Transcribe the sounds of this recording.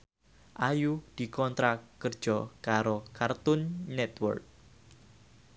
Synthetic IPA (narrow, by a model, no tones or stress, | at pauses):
ʔajud̪̥i̤kɔnt̪ɾakərd̥ʒ̥ɔkaɾokart̪ʊnːɛt̪wə̰rk̚